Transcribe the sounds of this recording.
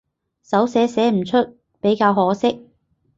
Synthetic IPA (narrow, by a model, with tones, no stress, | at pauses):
sɐ˨˥wsɛː˨˥sɛː˨˥m̩˨˩t͡ʃʰɵ˥t̚ | pe˨˥jkaː˧wɦɔː˨˥sɪ˥k̚